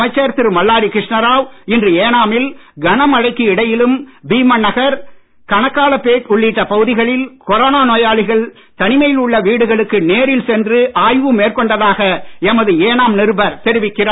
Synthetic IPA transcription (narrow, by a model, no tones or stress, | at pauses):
ɐɪt͡ʃːɐɾt̪ɪɾmɐɭːaːɽikɾɪʂɳɐɾaːʋɪndrɯeːnaːmɪlɡɐnɐmɐɻɐɪkːiɪɽɐjɪlɯmbiːmɐnːɐɣɐɾ | kɐnɐkːaːɭɐpːeːʈʊɭːiːʈːɐpɐɣɯðɪɣɐɭɪlkɔɾoːnaːnoːjaːɭɪɣɐɭ | t̪ɐnɪmɐjɪlʊɭːɐʋiːɽɯɣɐɭɯkːɯneːɾɪlsɛndrɯʔaːjʋɯmeːrkɔɳɖɐðaːɣɐɛmɐðɯeːnaːmnɪɾɯbɐɾt̪ɛɾɪʋɪkːɪraː